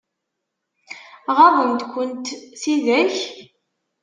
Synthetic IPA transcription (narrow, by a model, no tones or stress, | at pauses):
ʁaðənt̪kʷənt̪θiðæç